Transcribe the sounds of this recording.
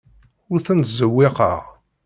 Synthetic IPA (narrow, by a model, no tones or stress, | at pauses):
ʊɾθənt̪zəwːɪqə̰ʁ